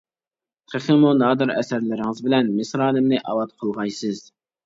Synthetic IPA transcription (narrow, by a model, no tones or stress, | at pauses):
qʰəχɪmunɑːd̪ɨɾɛ̰sæɾlɪɾɪŋɨzbɪlɛnmɪsɾɑːnɪmnɨʔɑwɑt̪̚qʰəlˠʁɑjsɨz̥